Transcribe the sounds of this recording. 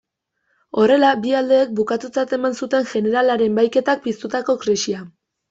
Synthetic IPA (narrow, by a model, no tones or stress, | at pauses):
o̞re̞labiald̪e̞ːk̚bukat̪ut͡sat̪e̞mansut̪e̞ŋʝe̞neɾalaɾe̞mbajke̞t̪ak̚pist̪ut̪ako̞kɾisia